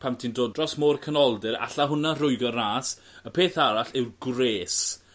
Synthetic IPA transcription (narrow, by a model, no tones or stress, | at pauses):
pʰamtʰindoːdrɔsmoːrkʰənɔlˠdɪɾa̰ɬaɦʊnarʊjɡɔraːs | əpʰeːθaɾaɬɪwrɡreːs